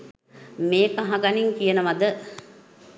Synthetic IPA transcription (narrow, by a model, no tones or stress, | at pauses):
meːkaɦaɡaniŋkijənəʋad̪ə